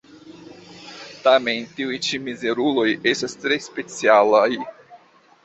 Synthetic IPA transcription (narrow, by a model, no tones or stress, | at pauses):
tame̞ntiujt͡ʃimize̞ɾulo̞je̞stast̪ɾe̞spe̞t͡sialaj